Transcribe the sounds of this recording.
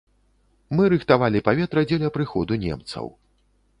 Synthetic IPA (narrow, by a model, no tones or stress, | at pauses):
mɨɾɨxt̪avalʲipavʲɛt̪ɾɐd͡zʲɛlʲɐpɾɨxɔ̰d̪unʲɛ̰mt̪sɐ̰w